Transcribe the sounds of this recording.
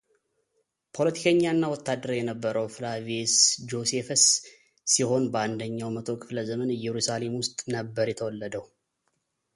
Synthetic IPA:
pʰo̞lət̪ʰi̥kʰəɲːanːawɔt̪ʰːad̪ːəɾjɛnəbːəɾəwfɨlavesd͡ʒo̞sefəsː | iho̞nbəand̪əɲːawmət̪ʰo̞kʰʼɨfləzəmənɨjɛɾusale̞mwʊst̪ʼnəbːəɾjɛt̪ʰəwɔlːəd̪əw

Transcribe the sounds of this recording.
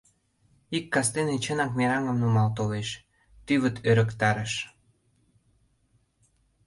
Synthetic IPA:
ikːɑst̪enet͡ɕənɑk̚meɾɑŋəmnumɑlt̪oleʃ | t̪yβət̪ʰøɾə̆kt̪ɑɾəʃ

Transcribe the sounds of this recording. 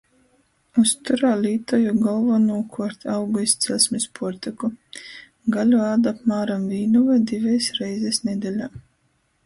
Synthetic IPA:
ust̪uɾaːlʲiːt̪ɔjuɡɔlˠvanuːkʰuɔɾt̪ʲawɡuist̪sʲɛlsmʲispʰuɔɾt̪ɛku | ɡalʲuaːd̪apmaːɾamviːnuvajd̪ivɛjsɾɛjzʲɛsnɛd̪ʲɛlʲaː

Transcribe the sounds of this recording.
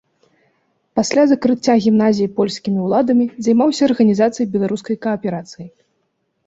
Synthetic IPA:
pasʲlʲazɐkɾɨt͡sʲːaɣʲimnazʲijipɔlʲsʲkʲimʲiwlˠad̪ɐmʲizajmawsʲɐːrɣɐnʲizat̪sɨjbʲɛlˠaɾuskɐjkɐɐpʲɛɾat̪sɨji

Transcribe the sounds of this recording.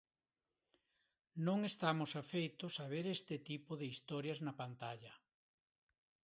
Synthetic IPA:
nõŋest̪amʊsafejt̪ʊsaβ̞eɾest̪ɪt̪ipʊðɪist̪ɔɾjɐznɐpant̪aʎɐ

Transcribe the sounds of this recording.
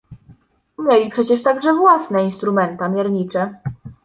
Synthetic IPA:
mʲjelʲipʂɛt͡ɕɛʂt̪aɡʐɛvwasnɛinst̪ɾumɛnt̪amʲjɛɾɲit͡ʂɛ

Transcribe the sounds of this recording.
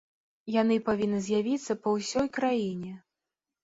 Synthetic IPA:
jan̪ɨpavʲinːɨzʲjavʲit̪sːɐpɐwsʲɔjkɾajinʲɛ

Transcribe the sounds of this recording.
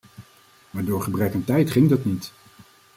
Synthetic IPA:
ʋaːɹdʊːɹχəbrɛkəntɛjtχɪŋdɑtnit

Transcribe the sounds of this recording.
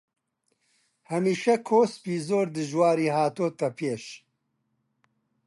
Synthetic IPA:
hɐmiːʃɛkʰoːspiːzoːɾd̪ɨʒwaːɾiːɦaːt̪oːt̪ɐpʰeːʃ

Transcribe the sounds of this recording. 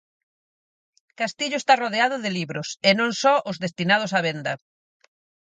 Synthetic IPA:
kast̪iʎʊest̪aroðeaðʊðɪliβɾʊsenõŋsɔʔʊzðest̪inað̞ʊsaβend̪ɐ

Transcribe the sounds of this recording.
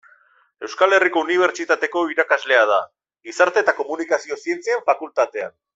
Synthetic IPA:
e̞wskale̞riko̞uniβ̞e̞ɾt͡ʃit̪at̪e̞ko̞iɾakazle̞að̞a | ɡisaɾt̪e̞ːt̪ako̞munikasio̞sie̞nt͡siaɱfakult̪at̪e̞a̰n

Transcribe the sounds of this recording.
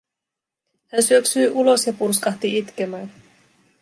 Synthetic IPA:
hænsyøksyjʔulo̞sjɑpurskɑht̪iit̪k̟emæːn

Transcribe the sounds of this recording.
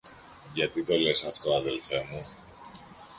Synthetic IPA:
ʝɐt̪it̪o̞le̞sɐft̪o̞ɐðe̞lfe̞mu

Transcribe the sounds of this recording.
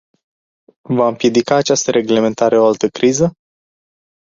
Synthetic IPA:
vaɨmpje̞d̪ikaːt͡ʃast̪əɾe̞ɡle̞me̞nt̪aɾe̞o̞alt̪əkɾizə

